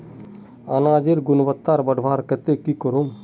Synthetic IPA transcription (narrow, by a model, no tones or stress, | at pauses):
anaːd͡ʒeɾɡʊnʋət̪ːaːɾbɐɖʱʋʱaːɾkɐt̪ekikəɾom